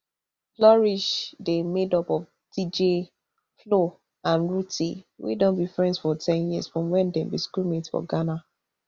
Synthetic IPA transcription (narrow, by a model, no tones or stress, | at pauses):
flɔɹiʃdemedɔpɔf | d̥id͡ʒe | flo | ãnɹutʰiwḭdõnbifɹɛ̃ndsfɔtʰɛ̃njisfɹɔ̃mwɛ̃ndɛ̃mbiskumĩtfɔ̰ɡana